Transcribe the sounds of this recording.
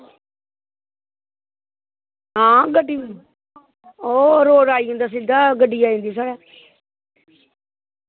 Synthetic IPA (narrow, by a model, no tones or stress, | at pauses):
ɦãːɡəɖːiː | oːɾoːɾaːiːõnd̪aːs̬ɪd̪aːɡəɖiːaːĩːnd̪iːs̬aːɽɛː